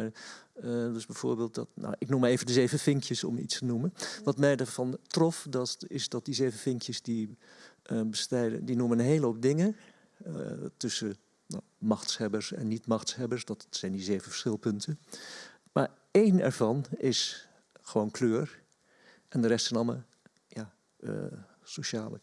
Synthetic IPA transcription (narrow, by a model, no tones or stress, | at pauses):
dəzbɛv̥o̰ːɹbeːlˠt̚dtna̰ʔɪknumaɹeːvəndəzeːvəfɪŋkʰjəsɔ̰mḭtstənumənʋɑtmɛjdəɹv̥ɑntrɔfdɑtɪzdɑt̚dizeːvəfɪŋkjəzdi | bəstɛjdə̰dinumənɦejlˠɦop̚dɪŋə | tɵsə | na̰ | mɑxtshɛbəɹsɛ̰nːitmɑxtshɛbəɹsdɑtsɛjndizeːvəfə̥ɹsχɪlˠpɵntən | ma̰ːɹ | ejnɛ̰ɹvɑnɪs | χəʋoːnkʰløːɹ | ʔɛndərɛstsɛnɑlˠmə̰ | ja̰ | soʃaːlə̰